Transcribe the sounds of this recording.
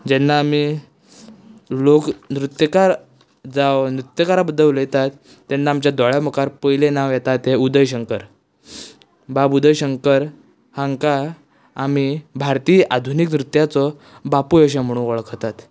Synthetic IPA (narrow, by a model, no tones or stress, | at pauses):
d͡ʑɛnːaːmi | loknɾut̪jəkaɾ | d͡zaʋnɾut̪jəkaɾabəd̪ːəʋlət̪at̪ː | ɛnːaːmt͡ɕjad̪ɔɭjamɔkaɾpəjlenaʋjɛt̪at̪eud̪əjɕ̬əŋkəɾ | babud̪əjɕəŋkəɾ | haŋkaː | mibʱaɾt̪iːʔad̪ʱuniknɾut̪jat͡sɔ | bapujəɕ̬am̤əɽ̃ũʋəɭkəɾt̪at̪